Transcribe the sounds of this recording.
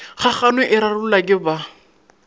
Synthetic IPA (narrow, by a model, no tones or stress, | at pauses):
χaχanwɛʔɪɾarʊʊlakʼɪba